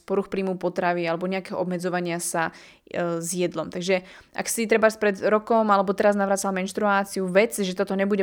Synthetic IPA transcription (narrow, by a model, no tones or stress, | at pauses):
pɔɾuxpɾiːmupɔt̪ɾaʋialɛbɔɲɛakɛːɦɔʔɔbmɛd͡zɔʋaɲɪasa | zjɛd̪lɔmt̪aɡʒɛ | ʔa̰ksit̪ɾɛbaspɾɛd̪ɾɔkɔmalɛbɔt̪ɛɾaznaʋɾaːt͡salmɛnʃt̪ɾuaːt͡siuʋɛt͡sʒɛt̪ɔt̪ɔɲɛbuɟɛ